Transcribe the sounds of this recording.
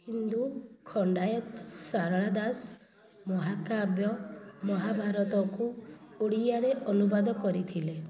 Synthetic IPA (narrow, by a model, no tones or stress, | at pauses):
hind̪ukʰɔɳɖajɔt̪saɾɭad̪as | mɔɦakabjɔmɔɦabʱaɾɔt̪ɔkuoɽiaɾeʔɔnubad̪ɔkɔɾit̪ʰile